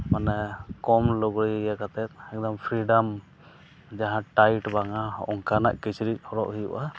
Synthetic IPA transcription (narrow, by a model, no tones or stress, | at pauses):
manɛkɔmlɔɡɾijakat̪ʰɛt̪̚ɛk̚d̪ɔmpʰɾiɖam | d͡ʒaɦãʈajʈbaŋaɔ̰ŋkana̰ʔkɛt͡ʃɾit̚ˀhɔɾɔʔhijṵʔa